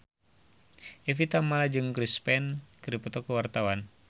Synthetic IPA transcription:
ɛfit̪amalad͡ʒɨŋkɾispɛnkəɾipɔt̪ɔkəwart̪awan

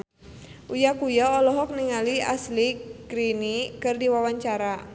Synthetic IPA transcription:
ʔujakujaɔlɔɦɔk̚niŋalia̰slikɾinikɨrdiwawaɲt͡ʃaɾa

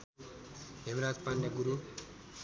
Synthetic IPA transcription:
ɦemɾat͡spanːaɡuɾu

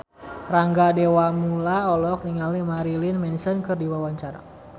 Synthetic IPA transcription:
raŋɡadewamulaɔlɔk̚niŋalimaɾilinmɛnsənkɨrdiwawaɲt͡ʃaɾa̰

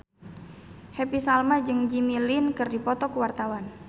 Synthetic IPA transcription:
hɛpisalmad͡ʒɨŋd͡ʒimilinkɨrdipɔt̪ɔkuwart̪awan

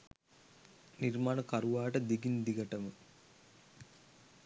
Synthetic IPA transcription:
niɾmaːnəkaɾuʋaːʈəd̪iɡind̪iɡɐʈəmə

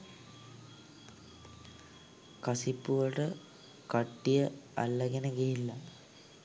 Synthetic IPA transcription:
kɐsipːuʋəʈə | kɐʈːijəɐ̰lːɐɡenəɡeɦilːɐ

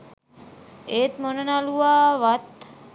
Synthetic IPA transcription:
eːt̪monənaluaːʋat̪

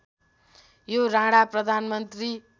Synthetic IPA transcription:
joɾãɽaprʌd̪ʱanmʌnt̪ri

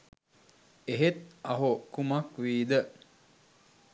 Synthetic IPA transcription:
eɦet̪̚ɐɦokumakʋiːd̪ə

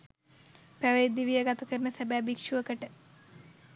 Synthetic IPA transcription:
pæʋejd̪iʋijəɡat̪ɐkəɾnəsæbæːbikʂuʋəkəʈə

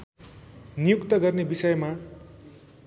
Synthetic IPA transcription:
nijukt̪ʌɡʌrnebisʌjma

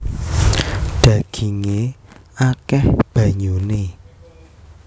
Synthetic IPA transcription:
ɖ̥ä̤ɡ̥i̤ŋeakɛhb̥a̤ɲune

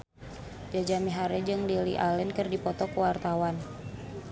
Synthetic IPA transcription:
d͡ʒad͡ʒamiɦaɾɛd͡ʒɨŋlilḭʔalɛnkɨrdipɔt̪ɔkuwart̪awan

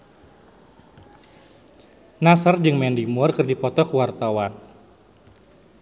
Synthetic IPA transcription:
nasard͡ʒɨŋmɛndimɔrkɨrdipɔt̪ɔkəwart̪awan

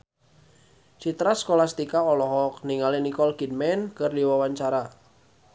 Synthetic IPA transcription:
sit̪ɾaskolast̪ikaɔlɔɦɔk̚niŋalinikɔlkid̚mɛnkɨrdiwawaɲt͡ʃaɾa

